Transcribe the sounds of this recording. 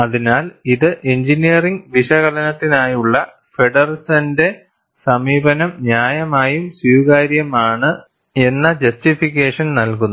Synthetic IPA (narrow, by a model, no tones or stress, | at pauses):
ɐðinaːliðɨʔeɲd͡ʑinijɐriŋɡʋiʂɐɣɐlɐnɐt̪ːinaːjuɭːɐ | feɖɐrsɐnde̞ | sɐmiːbɐnɐmnjaːjɐmaːjumswuːkaːɾjɐmaːɳɨ | e̞nːɐd͡ʑɐstifikʲːeːʂɐnnɐlk̬unːɐ